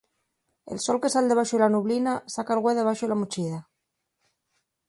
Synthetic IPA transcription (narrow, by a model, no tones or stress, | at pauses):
ḛlsolke̞sald̪eβaʃoilanuβlinasakalɣweðeβ̞aʃolamut͡ʃiða